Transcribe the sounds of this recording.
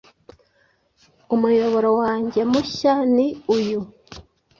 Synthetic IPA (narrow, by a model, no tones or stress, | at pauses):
umujo̞βo̞ɾowaːɲɟe̞muʃaniuju